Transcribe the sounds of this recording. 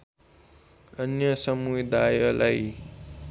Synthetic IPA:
ʌnjʌsʌmujd̪ajʌlaj

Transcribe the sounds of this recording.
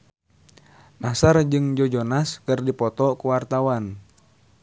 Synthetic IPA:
masard͡ʒɨŋd͡ʒɔd͡ʒɔnaskɨrdipɔt̪ɔkuwart̪awan

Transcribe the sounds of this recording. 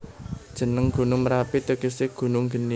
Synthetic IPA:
d̥ʒ̥ə̤nəŋɡ̥ṳnʊŋmɾapit̪ukisɪɡ̥ṳnʊŋɡə̤ni

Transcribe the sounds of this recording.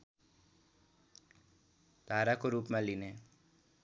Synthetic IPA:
d̪̥ʱaːɾakoɾuːpmẽline

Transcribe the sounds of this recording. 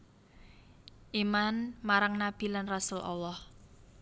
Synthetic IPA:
ʔimanmaɾaŋnab̥i̤lanrasulʔa̰lːɑh

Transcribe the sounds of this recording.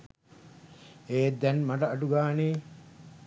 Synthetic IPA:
eːd̪ɛnmɐʈɐːʈuɡaːneː

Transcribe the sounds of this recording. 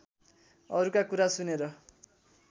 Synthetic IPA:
ʌɾukakuɾasuneɾʌ

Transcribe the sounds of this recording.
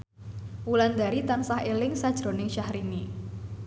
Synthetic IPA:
wuland̪aɾit̪ansahelɪŋsad̥ʒ̥ɾo̤nɪŋʃahɾini

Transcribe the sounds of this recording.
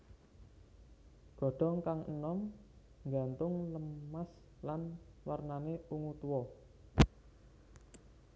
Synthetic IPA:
ɡ̥ɔ̤ɖ̥ɔ̤ŋkaŋə̰nɔm | ŋɡa̤nt̪ʊŋləmːas | lanwarnaneuŋut̪uwɔ

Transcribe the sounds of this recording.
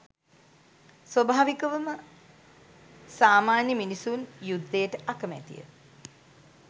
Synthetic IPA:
sʋɐbʱaːʋikəʋəmə | saːmaːnjəminisunjud̪ːejəʈəʔakəmæ̰t̪ḭjə̰

